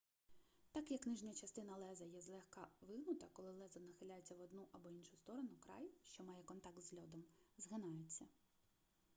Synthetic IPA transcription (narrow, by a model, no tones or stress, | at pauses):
t̪ɑkjɐkːnɪʒnʲɐɐt͡ʃɐst̪ɪnɐlˠɛzɐjɛzlˠɛxkɑʋɪɦnʊt̪ɐkɔlˠɪlˠɛzɐnɐxɪlʲajet͡sʲːɐʋɔd̪nuʔɐbɔinʃʊst̪ɔɾɔnʊkɾɑ̰jʃt͡ʃɔmɑjɛkɔnt̪ɑk̚t̪zɦlʲɔd̪ɔmzɦɪnɑjʊt͡sʲːɐ